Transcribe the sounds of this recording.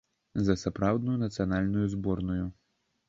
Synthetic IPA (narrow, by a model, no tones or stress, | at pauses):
zɐsapɾawd̪nujunɐt̪sɨjanalʲnujuzbɔrnuju